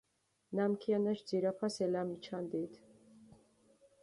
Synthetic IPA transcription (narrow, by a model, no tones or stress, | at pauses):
namkʰianaʃd̪d͡ziɾapʰasɛlamit͡ʃʰand̪it̪